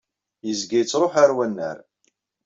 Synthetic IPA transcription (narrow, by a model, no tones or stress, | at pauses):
jəzɡijət͡sːɾˤoħaɾwænːə̰ɾ